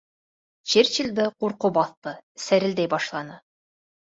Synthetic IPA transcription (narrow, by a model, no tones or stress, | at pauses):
t͡ɕeɾt͡ɕilʲd̪ɤquɾqobɑθt̪ɤsæɾɘ̆ld̪æjbɑʃlˠɑnɤ